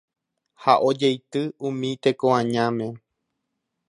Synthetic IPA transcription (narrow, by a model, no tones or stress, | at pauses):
haʔo̞d͡ʒejt̪ɨũmĩt̪e̞koãɲãmẽ̞